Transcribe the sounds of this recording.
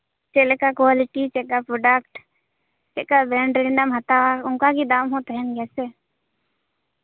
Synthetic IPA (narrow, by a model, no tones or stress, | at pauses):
t͡ʃelekakwaːlɪʈit͡ʃekːapɾoɖəkʈ | t͡ʃekabɾɛ̃ːɳɖɾɪnɖəmɦɐt̪aʊ̃ŋkakid̪aːmɦõt̪əɦɛnkɛːse